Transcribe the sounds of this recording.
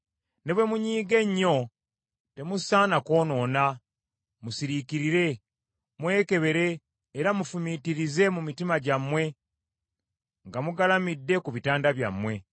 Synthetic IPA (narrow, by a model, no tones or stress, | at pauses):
ne̞βwe̞muɲiːɡe̞ɲːo̞ | te̞musaːnako̞ːno̞ːna | musiɾikiɾiɾe̞ | mwe̞ːke̞βe̞ɾe̞ː | ɾamufumitiɾize̞mumitimaɟamwe̞ | ŋɡamuɡalamidːe̞kuβitaːndaβja̰mːwe̞